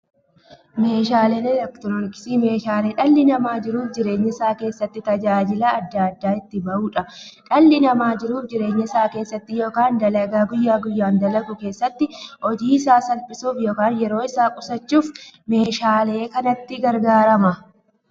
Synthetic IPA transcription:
me̞ːʃaːleneːlɛkt̪ɔnɔmɪkɪ̥siːme̞ːʃaːleːᶑɐlːɪnɐmaːd͡ʒɪɾuːfd͡ʒɪɾe̞ːɲːɪsaːke̞ːsːɐt̪ːɪt̪ɐd͡ʒaːd͡ʒɪlaːɐd̪ːaɐd̪ːaːɪt̪ːɪbɐʔuːᶑɐᶑɐlːɪnɐmaːd͡ʒɪɾuːfd͡ʒɪɾe̞ːɲːɪsaːke̞ːsːɐt̪ːɪjo̞ːkaːnd̪ɐlɐɡaːɡʊjːaːɡʊjːaːnd̪ɐlɐɡʊke̞ːsːɐt̪ːɪʔɔd͡ʒiːɪsaːsɐlpɪsuːfjo̞ːkaːnjɛɾo̞ːɪsaːkʼʊsɐt͡ʃːuːfme̞ːʃaːle̞ːkɐnɐt̪ːɪɡɐɾɡaːɾɐmɐ

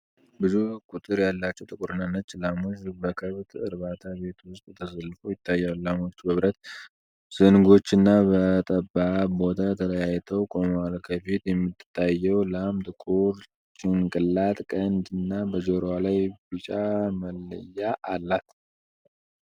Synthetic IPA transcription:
bɨzukʼut̪ʼɨɾjalːat͡ʃːɛwt̪ʼɨkʼɾɨnanːət͡ʃʼːlamod͡ʒbəkʰəβt̪ɨɾβat̪ʰabe̞t̪wʊst̪ʼt̪ʰəsəlːfojɪt̪ʰːajːalamot͡ʃːbəβɾət̪ | z̥ɨnɡo̞t͡ʃːɨnːabət̪ʼəbːabo̞t̪ʰat̪ʰələjajt̪ʰəwkʼomalkʰəfit̪jɛmːɨt̪t̪ʰːajːɛwlamd̪kʼuɾ | t͡ʃʼɪŋkʼɨlːat̪ʼkʼənd̪ɨnːabəd͡ʒoɾwalajbɨt͡ʃʼaməlːə̰jːaʔalːat̪

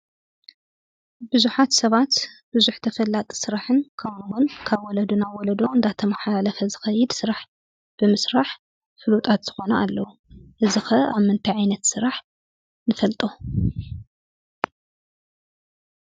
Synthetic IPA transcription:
bɨzuħat̪sɐβat̪b̥ɨzuħt̪ʰɐfɐlːat̪ʼsɨɾaħɨnkʰɐwnwonkʰaβwɔlɐd̪unawɔlɐd̪oɨnd̪at̪ʰɐmaħalalɐfɐzɨxɐjːɪd̪sɨɾaħ | b̥ɨmɨsɾaħ | fɨlut̪ʼat̪z̥ɨxo̞nɐalːɐwu | ʔɨzɨxɐaβmɨnt̪ʰaʕajnɐt̪sɨɾaħ | nɨfɐlt̪ʼo

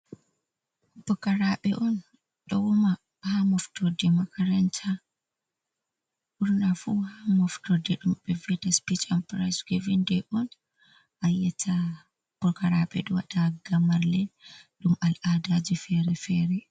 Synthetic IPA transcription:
b̥ɔkɐɾaːɓɛʔɔn | ɗɔwuma | hamɔftɔdɛmɐkɐɾɐnt͡ʃa | uɾnafuhamɔftɔdɛɗumɓɛvɛtaspit͡ʃampɾajsɡɔvindɛʔɔn | ajatʰa | b̥ɔkɐɾaɓɛ̰ɗɔwa̰ɗaɡamaɾlɛɗumalʔaːdad͡ʒifɛɾɛfɛːɾɛ

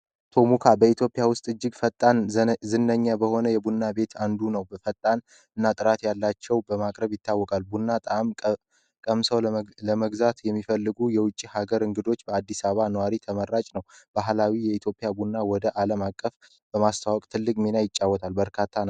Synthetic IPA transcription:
t̪ʰo̞mukʰabəit̪ʰjo̞pʼɪjawʊst̪ʼɨd͡ʒːɨɡfət̪ʼːanzɨnːəɲːabəho̞nəjɛbunːabe̞t̪ʰand̪unəwbəfət̪ʼːan | ɨnːat̪ʼɨɾat̪jalːat͡ʃːɛwbəmakʼɾəβjɪt̪ʰːawːɔkʼalbunːat̪ʼamʼ | kʼəmsəwləməɡzat̪jɛmːifəlːɨɡujɛwʊt͡ʃʼːihaɡəɾɨŋɡɨd̪o̞t͡ʃːbəad̪ːisaβanəwaɾit̪ʰəməɾːat͡ʃʼnəwb̥aɦlawijɛit̪ʰjo̞pʼɪjabunːawɔd̪əʔaləmakʼːəf | b̥əmast̪ʰawɔkʼt̪ʰɨlːɨkʼmenajɪt͡ʃʼːawːɔt̪ʰalbəɾkʰat̪ʰːan

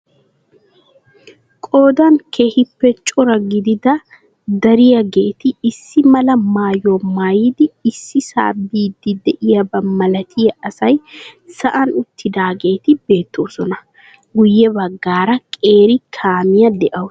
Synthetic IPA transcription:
kʼo̞ːd̪ɐnkʰe̞ːhɪpːɛt͡ʃʼɔɾɐɡɪd̪ɪd̪ɐ | d̪ɐɾɪjɐɡe̞ːt̪ɪːsːɪmɐlɐmaːjomaːjid̪ɪːsːɪsa̰ːbiːd̪ɪd̪ɛʔɪjɐbɐmɐlɐt̪ʰɪjɐɐsɐjsɐʔɐnʊt̪ːɪd̪aːɡe̞ːt̪ɪbe̞ːt̪ːo̞ːsɔnɐ | ɡʊjːɛbɐɡːaːɾɐkʼe̞ːɾɪkʰaːmɪjɐd̪ɛʔɐw

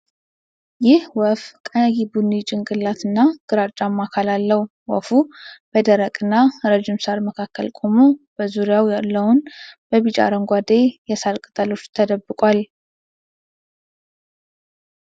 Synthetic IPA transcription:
jɪhwɔfkʼənəɡibunit͡ʃʼɪŋɡɨlːat̪ʰɨnːaɡ̥ɨɾat͡ʃʼːamːakʰalalːəw | wɔ̰fub̥əd̪əɾəkʼɨnːaɾəd͡ʒimsaɾməkʰakːə̰lkʼomob̥əzuɾjawjalːəwunb̥əβit͡ʃʼa̰ɾəŋɡʷad̪e̞jɛsalkʼɨt̪ʼəlo̞t͡ʃːt̪ʰəd̪əbːɨkʼwal

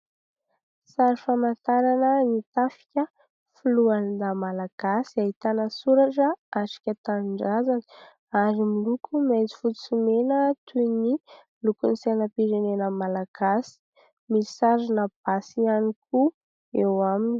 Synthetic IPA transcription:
saɾifamant̪aɾanənit̪afi̥kʲə | fuluanid̪amalaɡ̥asiaɦit̪anəsuɾaʈ͡ʂəaʈ͡ʂi̥kʲət̪anɳɖ͡ʐazani̥ | aɾimilukʰumed͡zi̥fut͡sumenət̪ʰuni | lukunisenəpiɾenenəmalaɡ̥asi̥ | misaɾinəb̥asianiku | ewamini̥

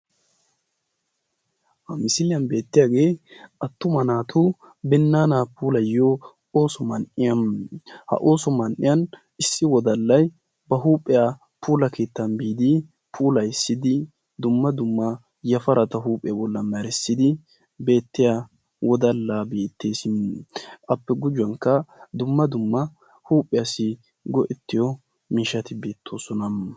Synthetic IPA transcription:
hɐmɪsɪlɪjɐnbe̞ːt̪ːɪjaːɡe̞ːʔɐt̪ːʊmɐnaːt̪ʰʊ | bɛnːaːnapuːlɐjo | oːsɔmɐnʔɪjɐnhɐ̰ʔo̞ːsɔmɐnʔɪ̰jɐn | ɪsːɪwɔd̪ɐlːɐj | bɐɦuːpʼːɛja | pʰuːlɐkʰeːt̪ːɐnbiːd̪ɪ | pʰuːlɐjɪsːɪd̪ɪ | d̪ʊmːɐd̪ʊmːɐ | jɐfɐɾɐt̪ɐɦuːpʼːɛjabɔlːɐmɛɾɛsːɪd̪ɪ | be̞ːt̪ːɪja | wʔɔd̪ɐlːaːbeːt̪ːe̞ːsɪmʔɐpːɛɡʊd͡ʒʊwɐŋkːɐd̪ʊmːɐd̪ʊmːɐ | huːpʼːɪjɐsɪ | ɡɔʔɛt̪ːɪjɔ | miːʃɐt̪ɪbe̞ːt̪ʰːoːsɔnɐm

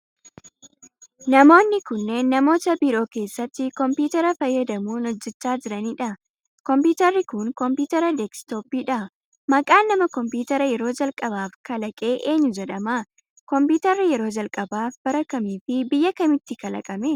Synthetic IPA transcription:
nɐmo̞ːnːɪkʊnːe̞ːnːɐmo̞ːt̪ɐbiɾo̞ːke̞ːsːɐt̪ːɪkɔmpuːt̪ɐɾɐfɐjːɐd̪ɐmuːnɔd͡ʒːɛt͡ʃːaːd͡ʒɪɾɐniːᶑɐ | kɔmpuːt̪ɐrːɪkʊŋkɔmpuːt̪ɐɾɐd̪ɛkst̪o̞ːpiːᶑɐ | mɐkʼaːnːɐmɐkɔmpuːt̪ɐɾɐjɛɾo̞ːd͡ʒɐlkʼɐbaːfkɐlɐkʼe̞ːʔe̞ːɲːʊd͡ʒɛᶑɐmaː | kɔmpiːt̪ɐrːɪjɛɾo̞ːd͡ʒɐlkʼɐbaːfbɐɾɐkːɐmiːfɪbɪjːɐkɐmɪt̪ːɪkɐlɐ̰kʼɐmeː

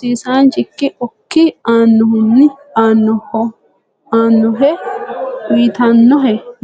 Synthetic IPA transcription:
siːsaːnt͡ʃɪkːɪʔɔkːɪaːnːʊhʊnːɪaːnːɔhɔ | aːnːɔɦɛ | wiːt̪anːɔɦɛ

